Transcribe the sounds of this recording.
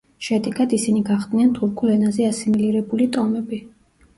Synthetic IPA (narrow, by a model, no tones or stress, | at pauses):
ʃɛd̪ɛɡad̪isiniɡaχd̪nɛnt̪ʰuɾkʰulɛnazɛasimiliɾɛbulit̪ʼɔmɛbi